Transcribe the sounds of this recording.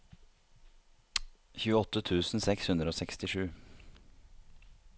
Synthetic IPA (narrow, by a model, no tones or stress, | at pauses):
çʉːəɔt̪ət̪ʰʉːsn̩sɛkshʉnd̪ɾəoːsɛkst̪ɪʂʉː